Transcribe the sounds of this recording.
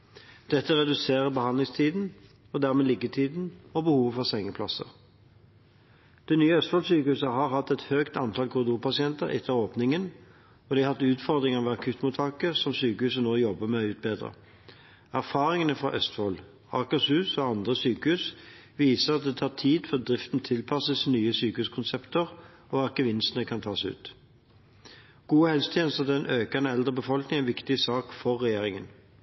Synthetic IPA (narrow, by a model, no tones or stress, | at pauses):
d̪̥ɛt̪ːəʁɛd̪ʉseːʁəbəhɑnlɪŋst̪ʰiːd̪n̩ | ɔd̪æʁmeːlɪɡət̪ʰiːd̪n̩ɔbəhuːʋəfɔʁsɛŋːəpʰlɑsə̰ʁ | d̪̥ɛnyːəœst̪fɔlsyːkəhʉːsəɦɑʁhɑt̪ːɛt̪høːkt̪ɑnt̪ʰɑlkʰʊd̪uːpɑsɪɛnt̪əʁɛ̰t̪ʰːəoːpnɪŋən | ɔd̪ɪhɑt̪ːʉːt̪fɔʁd̪ʁɪŋəʁʋɛɑkʰʉt̪ːmʊt̪ʰɑkəsɔmsyːkəhʉːs̬ənoːjɔbːəmɛɔʉːt̪̚beːd̪ʁə̰ | æʁfɑːʁɪŋənəfʁɑ̰ʔœst̪fɔːl | ɑːkəshʉːsɔɑnd̪ʁəsyːkəhʉːs | ʋiːsəɑt̪̚d̪ɛːt̪ʰɑːʁt̪ʰiːd̪fɔʁ̚d̪ʁɪft̪nt̪ʰɪlpʰɑsəsnyːəsyːkəhʉːskʰʊnsɛpt̪əʁ | ɔːɑkəʋɪnst̪ənəkʰɑnt̪ʰɑːsʉ̰ːt̪ | ɡ̥uːəhɛlsə̥t̪ʰjɛːnəst̪əʁd̪ɛnøːkɑnəɛld̪ʁəbəfɔlknɪŋænʋɪkt̪ɪsɑːkfɔʁːɛjeːʁɪŋən